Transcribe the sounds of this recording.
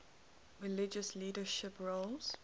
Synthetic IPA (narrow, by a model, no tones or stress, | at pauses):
ɹilɪd͡ʒəsliːdəʃɪpɹolz̥